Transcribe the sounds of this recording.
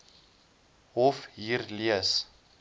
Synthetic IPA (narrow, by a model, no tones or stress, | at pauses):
ɦɔfɦiːrliəs